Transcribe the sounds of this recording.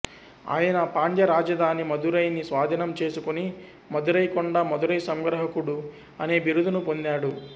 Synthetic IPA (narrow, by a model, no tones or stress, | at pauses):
a̰ːjɐnɐpaːɳd̪jɐɾaːd͡ʒɐd̪ʱaːnimɐd̪uɾɐjnisʋaːd̪ʱinɐmt͡ʃe̞ːsukuni | mɐd̪uɾɐjkɔɳɖaːmɐd̪uɾɐjsɐŋɡɾɐɦɐkuɽu | ɐne̞ːbiɾud̪unupo̞nd̪aːɽu